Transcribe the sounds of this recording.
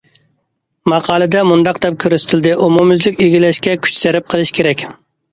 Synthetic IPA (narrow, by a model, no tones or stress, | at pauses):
mɑqʰɑːlˠɨd̪ɛmund̪ɑqd̪ɛp̚kʲʰøɾyst̪ʰɪld̪ɪʔumumyzlɪkʲiɡʲilɛʃkʲɛkʲʰy̥t͡ʃsɛɾɪp̚qʰəlˠɨʃkʰʲeɾɛkʲ